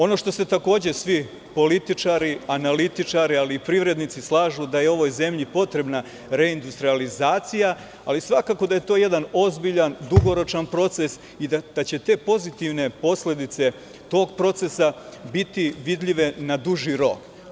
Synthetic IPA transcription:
o̞no̞ʂt̪o̞se̞t̪ako̞ːd͡ʑe̞sʋi | po̞lit̪it͡ʂaɾianalit̪it͡ʂaɾialiːpɾiʋɾe̞d̪nit̪sislˠaːʒud̪aje̞o̞ʋojze̞mʎipo̞t̪ɾe̞bna | ɾe̞ind̪ust̪ɾializaːt̪sija | alisʋakaːko̞d̪aje̞t̪o̞je̞d̪ano̞zbiʎand̪uɡo̞ɾo̞t͡ʃanpɾo̞t̪se̞s | id̪ad̪̥at͡ɕe̞t̪e̞ːpo̞zit̪iʋne̞po̞sle̞d̪it̪se̞ | t̪o̞ːɡpɾo̞t̪se̞sabit̪iʋid̪ʎiʋe̞nad̪uʒiɾo̞k

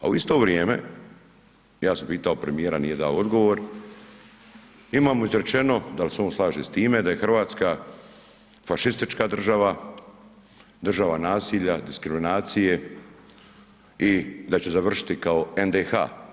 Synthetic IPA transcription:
a̰uist̪o̞ʋɾjeːme̞̰ | jaːsampiːt̪ao̞pɾemijeːɾanije̞d̪aːood̪ɡo̞ʋo̞ɾ | imaːmoizɾe̞t͡ʃe̞no̞d̪alseo̞ːnslˠaːʒest̪iːme̞d̪aje̞xɾr̩ʋaːt̪ska | faʃist̪it͡ʃkad̪r̩ʒaʋa | d̪r̩ʒaʋanaːsiːʎad̪iskɾiminaːt̪sije̞ | id̪at͡ɕezaʋr̩ʃi̥t̪ikao̞end̪exa̰ː

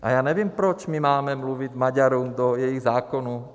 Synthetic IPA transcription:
ʔa̰jaːɲɛʋɪɛmpɾɔt͡ʃmimaːmɛmluʋiɟmaɟaɾɔmd̪ɔjɛjiɣzaːkɔnɔ

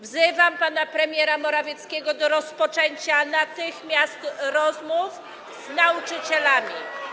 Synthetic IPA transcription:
vzɘvampanapɾɛmʲjɛɾamɔɾavʲjɛt̪skʲɛɡɔd̪ɔɾɔspɔt͡ʂɛɲt͡ɕanat̪ɘxmʲjast̪ɾɔzmuf | znaut͡ʂɘt͡ɕɛlamʲi

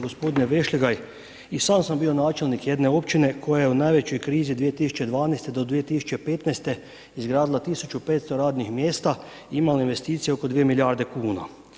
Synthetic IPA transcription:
ɡospod̪ineʋeʃliɡaj | isaːmsambiːonaːt͡ʃelnikjed̪neo̞pt͡ʃinekʰojajeunaːjʋet͡ɕo̞jkɾiːzid̪ʋijet̪isu̥t͡ʃed̪ʋaːnajst̪ed̪od̪ʋiet̪isu̥t͡ʃepeːt̪najst̪e | izɡɾaːd̪ilat̪isut͡ʃupeːt̪st̪oɾaːd̪nixmjeːst̪a | iimalainʋest̪iːt̪sieokod̪ʋiemiljaːɾd̪ekuːna̰

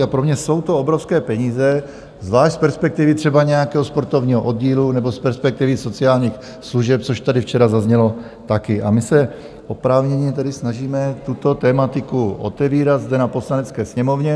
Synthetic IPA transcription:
apɾomɲɛso̞wt̪oobɾofskɛːpɛɲiːzɛ | zvlaːʃc̪spɛɾspɛk̚t̪ɪvɪt̪r̥ɛbaɲɛjakɛːɦospo̞ɾt̪ovɲiːɦoʔo̞d̪̚ɟiːlunɛbospɛɾspɛk̚t̪ɪvɪso̞t͡sɪaːlɲiːx | sluʒɛp̚t͡soʃt̪adɪft͡ʃɛɾazazɲɛlo | t̪akɪʔamɪsɛ | ʔo̞pɾaːvɲɛɲɛt̪ɛdɪsnaʒiːmɛt̪ut̪o̞t̪ɛːmat̪ɪkuʔo̰t̪ɛviːɾad̪zd̪ɛnapo̞slanɛt͡skɛːsɲɛmovɲɛ

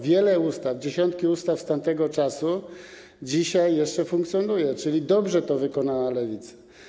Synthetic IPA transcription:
vʲjɛlɛust̪avd͡ʑeɕɔnt̪̚kʲiust̪afst̪ant̪ɛɡɔt͡ʂasu | d͡ʑiɕajːɛʂt͡ʂɛfũŋkt̪sʲjɔnujɛt͡ʂɘlʲid̪ɔbʐɛt̪ɔvɘkɔnawalɛvʲit̪sḁ

